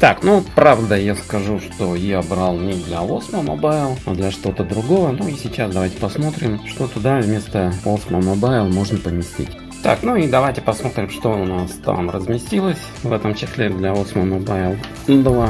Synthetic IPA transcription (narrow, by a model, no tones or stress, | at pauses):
t̪aknupɾavd̪əjaskɐʐuʂt̪o̞jabɾalˠnʲɪd̪lʲɐlˠosməmo̰baɪlˠad̪lʲɐʂt̪o̞t̪əd̪ɾʊɡo̞vənuisʲɪt͡ɕasd̪ɐvajtʲɪ̥pɐsmo̞t̪ɾʲɪmʂt̪o̞t̪ʊd̪avʲmʲe̞st̪əosməmobaɪlˠmo̞ʐnəpəmʲɪsʲtʲḭtʲ | t̪a̰knuid̪ɐvajtʲɪpɐsmo̞t̪ɾʲɪmʂt̪o̞ʊnast̪a̰mrəzmʲɪsʲtʲilˠəsʲ | vɛt̪əmt͡ɕɪsʲlʲɪd̪lʲavosməmobaɪlˠ | ibəlˠə